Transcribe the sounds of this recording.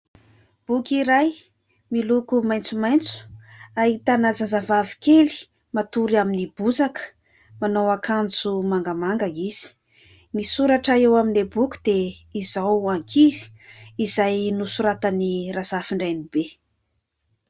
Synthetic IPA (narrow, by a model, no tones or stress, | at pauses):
b̥ukʲiɾaj | milukumajnt͡sumajnt͡su̥ait̪anazazavavi̥keli̥ | mat̪uɾiaminib̥uzakə̥ | manowakand͡zumaŋɡamaŋɡaiz̥i̥ | nisuɾaʈ͡ʂaewaminebukʲu̥d̪eizawaŋkʰizi̥izajnusuɾat̪anirazafiɳɖ͡ʐajnib̥e